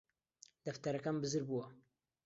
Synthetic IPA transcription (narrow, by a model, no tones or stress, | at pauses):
d̪ɐft̪ɐɾɐkambɨzɨɾbuwɐ